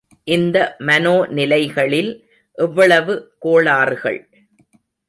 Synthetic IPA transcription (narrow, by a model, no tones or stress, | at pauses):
ʔɪnd̪ɐmɐnoːnɪlɐɪɣɐɭɪl | ʔɛʋːɐɭɐʋɯkoːɭaːɾɣɐ̰ɭ